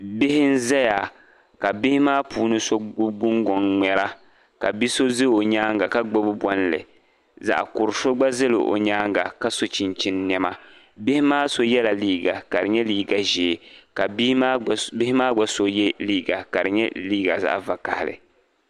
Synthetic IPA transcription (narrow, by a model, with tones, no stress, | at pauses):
bɪ˦hɪ˦n̩˦zɛ˦ja˨ | ka˨bɪ˦hɪ˦maː˦puː˨˦nɨ˦so˦ɡ͡bʊ˦ŋɡɔ˨ŋŋ͡mɛ˨ɾa˦ | ka̰˨bi˦so˦zɨ˦o˨ɲaː˦ŋɡa˨ka˦ɡ͡bo˦bʊ˦bʷɔ˦n˦lɨ̰˨ | za̰˨ʔkʊ˨ɾso˦ɡ͡ba˦zɨ˦lɪ̰˨ʔo̰˨ɲaː˦ŋɡa˨ka˦so˨t͡ʃi˨nt͡ʃi˦nn˦ɛ˦ma˦ | bɪ˦hɪ˦maː˦so˦jɛ˦la˨liː˦ɡa˨ka˨ɾɨɪ˨ɲɛ˦liː˦ɡa˨ʒeː˨ka˨˦a˦bɪ˦hɪ˦maː˦ɡ͡ba˦so˦jɛ˦liː˦ɡa˨ka˨ɾɪ˨ɲɛ˦liː˦ɡa̰˨za̰˦ʔva˨ka˨hɪ˨lɨ̰˨